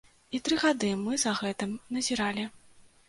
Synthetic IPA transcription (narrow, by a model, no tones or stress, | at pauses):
it̪ɾɨɣad̪ɨmɨzɐɣɛt̪ɨmnɐzʲiɾalʲi